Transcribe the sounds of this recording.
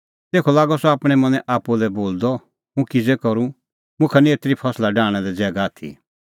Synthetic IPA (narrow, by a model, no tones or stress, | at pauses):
t̪eːkʰɔlaːɡɔsɔaːpɽ̃ɛmɐ̃nɛʔaːpulɛboːld̪ɔ | mũkid͡zɛkɔɾu | mʊ̃kʰanieːt̪ɾipʰɐslaɖaːɽ̃ɛlɛd͡zɛːɡaaːt̪ʰḭ